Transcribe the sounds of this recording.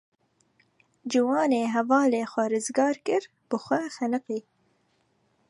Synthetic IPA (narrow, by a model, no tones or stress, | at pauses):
d͡ʒɨwɑːneːɦɛvɑːleːxʷɛɾɨzɡɑːɾkɨɾ | b̥ɨxʷɛxænɨqiː